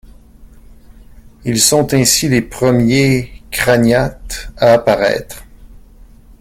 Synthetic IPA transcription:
ilsɔ̃t̪ɛ̃silepχəmjekχanat̪aːpaʁɛ̰ːt̪χ

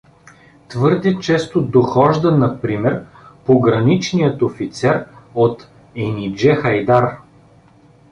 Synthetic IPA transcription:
t̪vɤɾd̪ɛt͡ʃɛst̪od̪oxɔʒd̪ɐnɐpɾimɛɾ | poɡɾɐnit͡ʃnijət̪ofit̪sɛɾot̪ | ɛnid͡ʒɛxɐjd̪aɾ

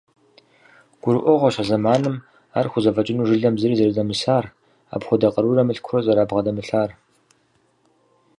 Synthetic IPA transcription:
ɡ̥ʷʊɾɨʔʷɔʁʷɔɕɐzɐmaːnɨm | a̰ːrxʷʊzɐfɐt͡ʃʼɪnuːʐɨɮɐmzɨriːzɐɾɨdɐmɨsaːr | a̰ːpxʷʊdɐqʼɐɾurɐmɨɬkʷʰrɔzɐɾaːbʁɐdɐmɨɬaːr

